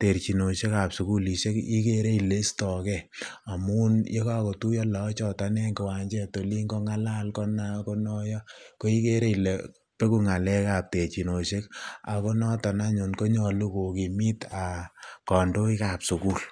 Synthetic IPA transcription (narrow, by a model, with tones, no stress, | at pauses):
te˨rt͡ʃi˨no˨ʃe˦ka˨psu˨ku˦li˨ʃe˦ki˦ke˦ɾe˦i˨le˦stɔ˨kɛ˦a˨mu˦nje˦kɔ˦a˨ko˨tu˦jɔ˦lɛ˨˦t͡ʃɔ˨ta˨˦nɛ˦ŋkɪ˨wa˨ɲd͡ʒɛ˦to˨li˦ŋɡo˦ŋa˦la˦lkɔ˦na˨˦ko˦nɔ˦jɔ˦ko˦i˦ke˦ɾe˦i˨le˨ | pe˦ku˦ŋa˨lɛ˦ka˨p̚te˨rt͡ʃi˨no˨ʃe˦ka̰˨ko˦nɔ˦tɔ˨na˦ɲo˨nko˦ɲɔ˨lu˦ko˨ki˨mi˦ta˨kɔ˨ndo˦i˦ka˨psu˨ku˦l